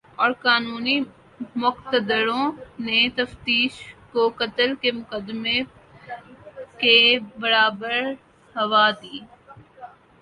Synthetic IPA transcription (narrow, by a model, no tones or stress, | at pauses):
ɔːɾkaːnuːni | mʊqt̪əd̪əɾõnet̪ɐft̪iːʃkokɐt̪əlkemʊkəd̪me | kebɐɾaːbəɾ | hɐʋaːd̪iː